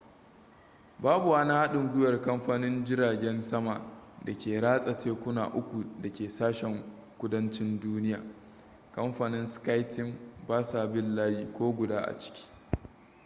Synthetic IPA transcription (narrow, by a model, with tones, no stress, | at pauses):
baː˦bu˨wa˦naː˦ha˦ɗɪ˨ŋɡʷʊ˦jɐ˨rkɐ˦mɸaː˦nɪ˦nd͡ʒɪ˦ɾaː˨ɡʲɛ˦nsɐ˦maː˨da˨kʲeː˨ɽaː˦sʼɐ˨teː˦kʷʊ˦na̰ː˨ʔʊ˦kʷu˨dɐ˨kʲeː˨saː˦ʃɛ˨ŋ | kʷʊ˦dɐ˦nt͡ʃɪ˦nduː˦nɪ˦jaː˨ | kɐ˦mɸaː˨nɪ˦nska˦jtɪ˦mbaː˦saː˨bɪ˦lːaː˦jiː˨kʷoː˦ɡʷʊ˨daː˦ʔa̰˨t͡ʃɪ̥˦kʲi̥ː˦